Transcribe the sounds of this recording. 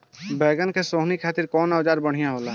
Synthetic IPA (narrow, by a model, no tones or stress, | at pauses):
bɛːɡənkesoːɦnikʰaːt̪ɪɾkɔːnaːd͡ʒaːɾbəɽ̤ijaɦoːlaː